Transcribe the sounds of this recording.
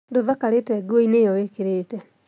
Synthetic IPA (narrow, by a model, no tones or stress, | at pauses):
ndoðakaɾetɛɡwoinejɔwekeɾeːtɛ